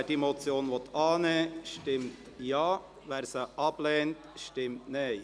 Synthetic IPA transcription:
d̥imot͡sjoːnʋɔt̪ʰɑːnɛːʃtɪmt | jɑː | ʋæːɾsəʔɑb̥lɛːntʃtɪmtne

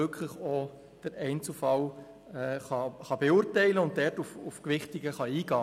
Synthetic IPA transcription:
ʏkʰləχɔ | d̥əɾɛɪnt͡sufɑl | ɛχɑχɑbeuːɾtɛɪləʊntdɛrtufufkʋɪχtɪɡəχɑiːɡɑː

